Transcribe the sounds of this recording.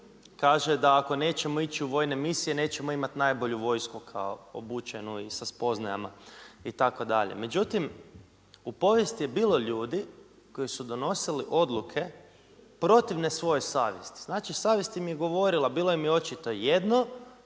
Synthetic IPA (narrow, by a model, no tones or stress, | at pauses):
kaːʒed̪aːko̞ne̞ːt͡ɕe̞mo̞it͡ɕiuʋo̞jne̞misije̞ne̞ːt͡ɕe̞moimat̪najbo̞ʎuʋo̞jskukʰa̰o̰o̰buːt͡ʃenuisaspo̞znaja̰ma̰it̪ako̞d̪aʎḛme̞d͡ʒut̪im | upo̞ʋje̞st̪ije̞biːlo̞ʎuːd̪i | ko̞jisud̪o̞no̞siliʔo̞d̪lˠukʰe̞ | pɾo̞t̪iʋnesʋo̞josaːʋje̞̰st̪i̥znaːt͡ʃisaːʋje̞st̪imijeɡo̞ʋo̞ɾilˠabiːlˠojemio̞t͡ʃit̪ojed̪no